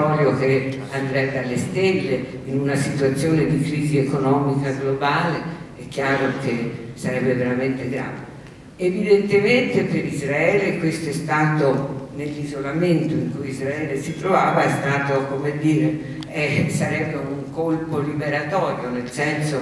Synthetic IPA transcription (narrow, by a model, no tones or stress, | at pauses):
ɔːljok̟e | and̪ɾɛd̪alːest̪elːe | inunasit̪uat̪sːjoːned̪ikɾiːziekonɔːmikaɡlobaːleɛkːjaːɾok̟esaɾɛbːeveɾament̪eɡɾa̰ːve | evid̪ent̪ement̪epeɾizɾaɛːlekwest̪oɛst̪aːt̪onelːizolament̪oiŋkujizɾaɛːlesit̪ɾovaːvaɛst̪aːt̪okomed̪ːiːɾe | ɛsaɾɛbːeuŋkolpolibeɾat̪ɔːɾjonelsɛnso